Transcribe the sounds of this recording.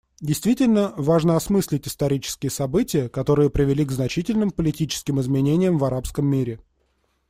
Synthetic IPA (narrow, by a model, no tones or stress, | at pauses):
dʲɪjst̪vʲitʲɪlʲnəvaʐnəɐsmɨsʲlʲɪtʲɪst̪ɐɾʲit͡ɕɪ̥skʲɪjəsɐbɨtʲɪjəkɐt̪o̞ɾɨjəpɾʲɪvʲɪlʲiɡznɐt͡ɕitʲɪlʲnɨmpəlʲɪtʲit͡ɕɪ̥skʲɪmɪzmʲɪnʲenʲɪjəmvɐɾapskəmːʲiɾʲɪ